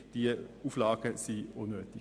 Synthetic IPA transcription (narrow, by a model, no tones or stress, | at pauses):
d̪̥iːuːflɑːɡ̥əsiːunøːt̪ɪ